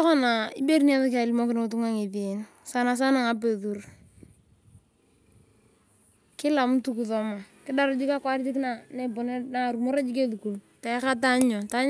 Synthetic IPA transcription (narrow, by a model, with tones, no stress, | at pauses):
ɔ˦kɔ˦na˨ɪ˦be˦ɾi˦ni˦a˦ða˦k̬ɪ˦a˨li˦mo˦kɪ˦n˦ʊ˦t̬u˦ŋa˦ŋe˨ðe˨˦n | sa˦na˨s̬a˦na˨ŋa˦pe˨ðu˨r | kɪ˦la˨m˦tu˦ku˨ðɔ˨ma˨kɪ˦da˦ɾa˦d͡ʒi˦ka˦kwa˦ɾɪ˦tɪ˦kna˨ne˦˨po˨ne˦na˨ɾu˨mo˦ɾa˦d͡ʒi˦k̬e˦ðu˨ku˨l | ta˨˦ka˦ta˦ɲo˨ta˦ɲ